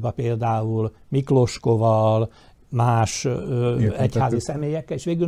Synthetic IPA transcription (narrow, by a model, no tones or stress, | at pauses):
bɒpeːld̪aːul | miklo̞ʃko̞vɒl | maːʃøɛchhaːzisɛmeːjɛkːɛleːʃʋeːɡyl